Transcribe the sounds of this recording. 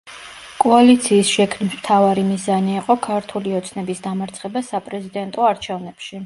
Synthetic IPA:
kʼɔalit̪sʰiːsʃɛkʰnismt̪ʰavaɾimizaniːqʼɔkʰaɾt̪ʰuliɔt̪sʰnɛbisd̪amaɾt̪sʰχɛbasapʼɾɛzid̪ɛnt̪ʼɔaɾt͡ʃʰɛvnɛpʃi

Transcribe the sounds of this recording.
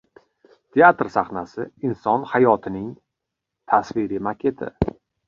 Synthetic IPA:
t̪ʰeat̪ɾsaχnasɪɪnsɒnhajɒt̪ʰɪnɪŋ | t̪ʰasvɪɾɪmakʲʰe̞t̪ʰɪ̰

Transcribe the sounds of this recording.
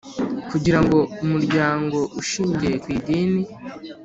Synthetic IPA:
kuɟiɾaŋɡo̞umuɾɟaːŋɡo̞ʔuʃiːɲɟeɾekwiːdiːni

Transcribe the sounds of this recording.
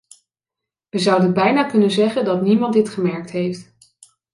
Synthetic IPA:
ʋəzɑwdənbɛjnaːkɵnənzɛχəndɑtnimɑntdɪtχəmɛɹk̚tɦejft

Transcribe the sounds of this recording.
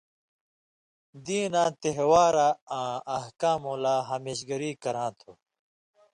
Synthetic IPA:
d̪iːnãːt̪eɦwaːɾaãːɐhkaːmõlaːɦɐmeːɕ̬ɡɐɾiːkɐɾãːt̪ʰo

